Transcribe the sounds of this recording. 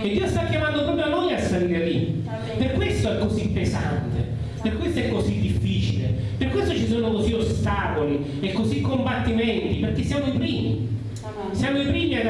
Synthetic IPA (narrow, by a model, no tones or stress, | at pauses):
ed̪ːiːost̪akːjamand̪okomeamɔjasːaliːɾeli | perkwest̪oɛkːozipːesa̰nt̪ḛ | perkːwest̪oɛkːozid̪ːifːiːt͡ʃilḛ | perkwest̪ot͡ʃisoːnokoziost̪aːkoli | ekːozikːombat̪ːimɛnt̪iperk̟esːjaːmoipɾiːmḭ | sjaːmoipɾiːmia